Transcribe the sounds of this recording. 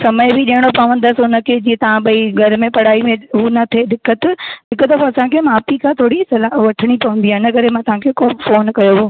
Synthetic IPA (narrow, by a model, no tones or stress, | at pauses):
sɐməɪbɪɗiɦəɽ̃opɐʋə̃nd̪əsʊnə̆kʰeːd͡ʑiːẽt̪ɐʋ̤ãɓɐiɡʱɐɾmẽpɐɽ̤aːimẽɦunɐt̪ʰed̪ɪkːət̪d̪ɪkət̪əfõɐsãkʰeːmaːpikʰãt̪ʰoːɽisɐlaːɦʋɐʈʰəɽ̃ipɐʋə̃nd̪iaːɪnəkɐɾemãt̪ɐʋ̤ãkʰekoːfoːnkɐjoɦoː